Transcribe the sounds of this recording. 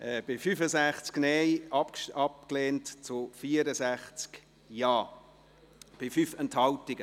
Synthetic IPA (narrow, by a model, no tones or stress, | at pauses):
ɛb̥ɪfyfəzæχt͡sknɛjɑpkʃɑp̚kleːntt͡sʊfiəɾəzæχt͡sk | jɑː | b̥ɪfyfɛnthɑltɪɡə